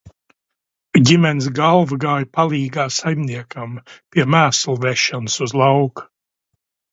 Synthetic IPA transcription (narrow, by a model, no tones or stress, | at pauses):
ɟimɛns̬ɡalˠvɡaːjpalˠiːɡaːsajmniɛkʰampiɛmæːslˠvɛʃɔnsuzlˠawku̥